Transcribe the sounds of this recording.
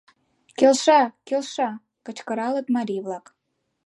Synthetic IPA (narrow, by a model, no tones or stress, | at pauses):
kʲelʃɑkʲelʃɑ | kə̆t͡ɕkə̆ɾɑlˠə̆t̪mɑɾʲijvlˠɑk